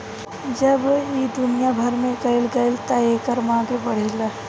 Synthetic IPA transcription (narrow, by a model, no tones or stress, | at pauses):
d͡ʒɐbid̪ʊnijabʱɐɾmẽɡɐɪlɡɐɪlt̪aeːkəɾmãːɡebɐɽ̤elaː